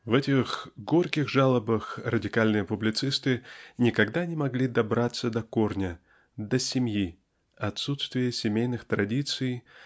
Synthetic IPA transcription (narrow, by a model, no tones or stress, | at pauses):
vɛtʲɪxɡo̞rkʲɪxʐalˠəbəxrədʲɪkalʲnɨjəpʊblʲɪt̪sɨst̪ɨnʲɪkɐɡd̪anʲɪmɐɡlʲid̪ɐbɾat̪sːəd̪ɐkornʲə | d̪əsʲɪmʲji | ɐt̪sut̪st̪vʲɪjəsʲɪmʲejnɨxt̪ɾɐdʲit̪sɨj